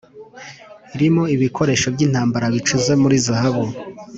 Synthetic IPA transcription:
iɾimo̞iβikʰo̞ɾe̞ʃo̞bɟiːnhaːmbaɾaβit͡ʃuze̞muɾizahaβu

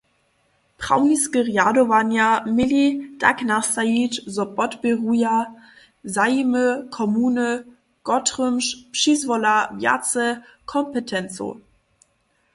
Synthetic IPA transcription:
pʁ̥a̰ʊniskəʁjadovanjamɪlid̥a̰knastajit͡ʃzɔbɔtbeʁuja | zajməkʰɔmuːnə | ɡ̥ɔtʁømʃpʃiːzvɔlavja̰t͡səkʰɔmpətʰɛnt͡so̰

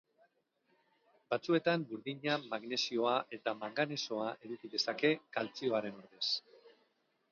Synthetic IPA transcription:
bat͡sue̞t̪ambuɾðiɲamaɣne̞sio̞aʔe̞t̪amaŋɡane̞so̞aʔeɾukiðe̞sake̞kalt͡sio̞aɾe̞no̞ɾðe̞s

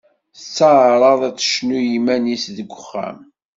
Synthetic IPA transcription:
t͡sːaʕɾˤɑðˤæt͡sːə̥ʃnujimænisðəɡʷːəχːæ̰m

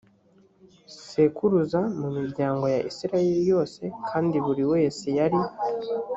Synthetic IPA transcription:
se̞kuɾuzamumiɾɟaːŋɡo̞jaʔisiɾaje̞ɾijo̞ːse̞kʰaːndiβuɾiwe̞ːse̞jaɾi

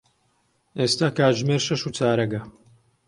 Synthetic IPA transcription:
ʔeːst̪aːkaːʒmeːɾʃɐʃuːt͡sʰaːɾɐɡɐ

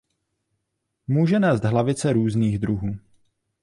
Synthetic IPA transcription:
muːʒɛnɛːzd̪ɦlavɪt͡sɛɾuːzniːɣd̪ɾuɦuː

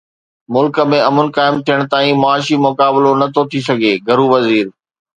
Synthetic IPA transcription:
mʊlkə̆mẽɐmʊnkaːɪmt̪ʰijəɽ̃t̪aːĩmaːʃimʊkaːbɪlonɐt̪ʰot̪ʰisɐɡʱeːɡʱɐɾuʋɐziːɾ

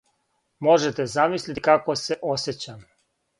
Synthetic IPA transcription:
mo̞ʒet̪ezamislʲit̪kakose̞ʔoset͡ɕam

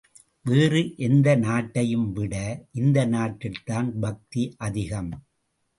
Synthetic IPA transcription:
ʋeːrɯʔɛnd̪ɐnaːʈːɐjɯmʋɪɽɐʔɪnd̪ɐnaːʈːɪlt̪aːnbɐk̚t̪iʔɐðɪɣɐm

